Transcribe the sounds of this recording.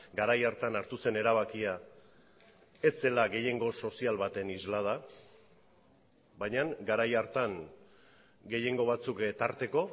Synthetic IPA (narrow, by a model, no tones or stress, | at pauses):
ɡaɾajaɾt̪anaɾt̪use̞ne̞ɾaβ̞akia | e̞se̞laɣe̞je̞ŋɡo̞so̞sialβat̪e̞nizlað̞a | βajɲaŋɡaɾajaɾt̪aŋ | ɡe̞je̞ŋɡo̞β̞at͡sukt̪aɾt̪e̞ko̞